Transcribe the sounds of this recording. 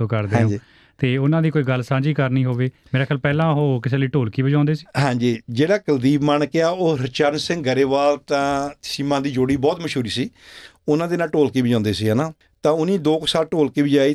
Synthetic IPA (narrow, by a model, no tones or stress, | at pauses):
õːkəɾd̪ẽːõd͡ʒiː | t̪eːʊnãːd̪iːkoːiːɡəlsãːd͡ʒiːkəɾnĩːɦoːʋeːmeːɾaːkʰjaːlpɛːlãːɦoːkɪseːləiːʈoːlkiːbəd͡ʒãːnd̪eːsi̥ːɦãːd͡ʒiːd͡ʒeːɽaːkəld̪iːbmənkɪaːoːɾɪt͡ʃəɾnsɪ̃ŋɡɡəɾeːʋaːlt̪ãːsiːmãːd̪iːd͡ʒoːɽiːbɔːt̪məʃuːɾiːsiː | ʊnãːd̪eːnaːlʈoːlkiːbəd͡ʒãːnd̪eːsiːɦaːnaː | t̪ãːʊnĩːd̪oːksaːlʈoːlkiːbɪd͡ʒaːiː